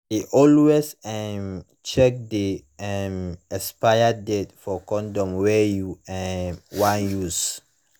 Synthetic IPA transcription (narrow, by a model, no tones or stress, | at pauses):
iʔɔlwesɛm | t͡ʃɛk̚diɛmɛspajadɛtfɔkɔ̃ndɔ̃mwɛjuɛwãnjus